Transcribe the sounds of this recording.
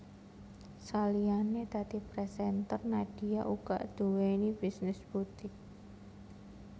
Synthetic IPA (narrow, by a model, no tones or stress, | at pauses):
salianed̪̥ä̤d̪̥ipɾɛsɛnt̪ərnad̥ijaʔuka̰ʔd̪̥uwenibisnɪsb̥ut̪ɪh